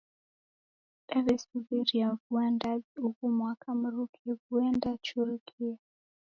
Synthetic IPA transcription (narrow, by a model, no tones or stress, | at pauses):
ɗaβɛsuβiɾiavuandaziukumwakʰam̩ɾukʰɛɣuɛndat͡ʃuɾukia